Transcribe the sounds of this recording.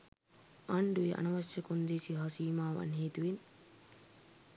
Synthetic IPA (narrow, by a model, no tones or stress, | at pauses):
ʔaɳɖueʔɐ̰nɐʋɐsːɐkund̪eːsiɦɐsiːmaːʋɐ̰nɦeːt̪uʋin